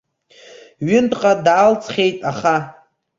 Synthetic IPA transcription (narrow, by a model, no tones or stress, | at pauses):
ɥɪntʼqʼadaːlt͡sʰʼχʲe̞jtʼaχa